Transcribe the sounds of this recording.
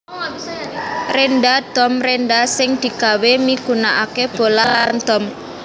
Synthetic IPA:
renɖad̪̥ɔ̤mrenɖasɪŋd̪̥i̤ɡ̥awemikunaʔakeb̥olalarnd̪̥ɔm

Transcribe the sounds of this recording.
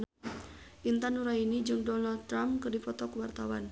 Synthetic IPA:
ʔint̪anuɾainid͡ʒɨŋdɔnald̪̚t̪ːɾamkɨrdifɔt̪ɔkəwart̪awan

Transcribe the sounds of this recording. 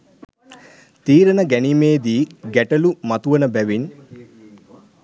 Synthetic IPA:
t̪iːɾɐnəɡænimeːd̪iːɡæʈɐlumɐt̪uʋɐnəbæʋin

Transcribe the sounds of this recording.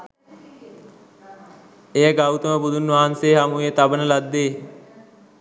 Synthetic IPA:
ejəɡawt̪əməbud̪unʋaɦanseːɦamuet̪abənəlad̪ːeː

